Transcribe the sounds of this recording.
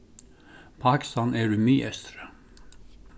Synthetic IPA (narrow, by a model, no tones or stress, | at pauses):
pʰɑːkɪ̥st̪ɑːneːɖʉːmyːɛst̪ɾə